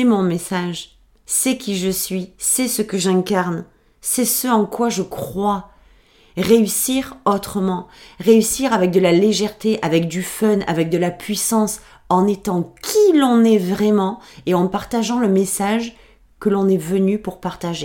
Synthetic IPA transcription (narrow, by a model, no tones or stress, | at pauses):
ɛmɔ̃mesaʒ | sɛkʲiʒəsɥisɛsəkəʒɛ̃kaʁn | sɛsəɑ̃kwaʒəkχwa | ʁeysiʁot̪χəmɑ̃ʁeysiʁavɛk̚d̪əlaleʒɛʁt̪eʔavɛk̚d̪yfœna̰vɛk̚d̪əlapʰɥisɑ̃s | ɑ̃net̪ɑ̃kʲʰilɔ̃nɛvʁɛmɑ̃eɑ̃paʁt̪aʒɑ̃ləmesaʒ | kəlɔ̃nɛvənypuʁpaʁt̪aʒe